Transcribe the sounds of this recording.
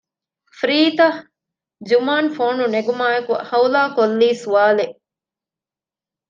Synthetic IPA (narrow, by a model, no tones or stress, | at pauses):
fɾiːt̪ɐ | d͡ʒumaːnfoːnuneɡumaːekuhɐwlaːkolːiːsuʋaːleʔ